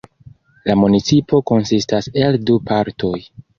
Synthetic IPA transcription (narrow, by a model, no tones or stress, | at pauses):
lamunit͡sipo̞ko̞nsistase̞ldupaɾtʰo̞j